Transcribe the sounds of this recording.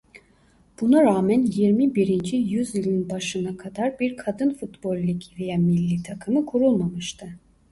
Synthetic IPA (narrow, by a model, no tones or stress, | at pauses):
b̥unaɾaːmænjiɾmibiɾind͡ʒijyzilʲinbaʃɯnakʰad̪aɾbiɾkʰad̪ɯnfut̪bolʲːicʰivijamilʲːit̪ʰakʰɯmɯkʰuɾulˠmamɯʃt̪ʰɯ